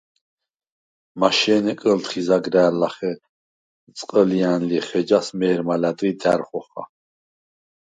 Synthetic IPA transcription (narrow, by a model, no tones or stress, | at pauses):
maʃɛːnɛkʼəlt̪χizaɡɾɛːlaχɛ | t͡sʼqʼəlianliχɛd͡ʒasmɛːɾmalad̪ʼɾid̪æɾχɔχa̰